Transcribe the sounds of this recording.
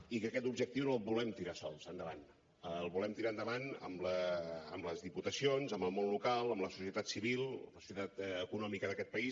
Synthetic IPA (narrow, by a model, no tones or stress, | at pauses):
ikəkɛt̪ubʒək̚t̪iwnolˠβulɛmt̪iɾasɔ̰lˠzənd̪əβa̰n | əlˠβulɛmt̪iɾaənd̪əβanə̰mlə̰ːmləzðiput̪əsionzəməlˠmonlukalˠəmləsu̥sijət̪at̪siβilˠəsu̥sjət̪at̪əkunɔmikəðəkɛt̪̚pəis